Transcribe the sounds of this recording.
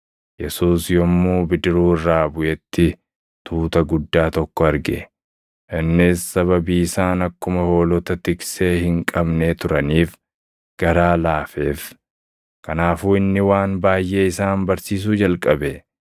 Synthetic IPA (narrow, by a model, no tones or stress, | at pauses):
jɛsuːsjɔmːuːbɪd̪ɪɾuːɪrːaːbʊʔɛt̪ːɪ | t̪ʰuːt̪ɐɡʊd̪ːaːt̪ɔkːɔɐɾɡɛ̰ | ʔɪnːɪsːɐβɐbiːɪsaːnɐkːʊmɐho̞ːlɔt̪ɐt̪ɪkse̞ːhɪŋkʼɐbneːt̪ʊɾɐniːf | ɡ̥ɐɾaːlaːfeːf | kɐnaːfuːɪnːɪwaːnbaːjʔe̞ːɪsaːnbɐɾsiːs̬uːd͡ʒɐlkʼɐbɛ